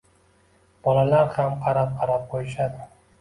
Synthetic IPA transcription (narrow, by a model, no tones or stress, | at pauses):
b̥ɒlalaɾhamqʰɑɾap̚qʰɑɾap̚qʰojɪʃ̬ad̪ɪ